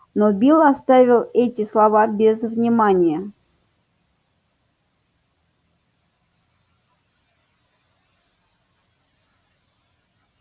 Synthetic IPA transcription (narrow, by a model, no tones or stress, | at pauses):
nobʲilˠɐst̪avʲɪlˠɛtʲɪslˠɐvabʲɪzvnʲɪmanʲɪjə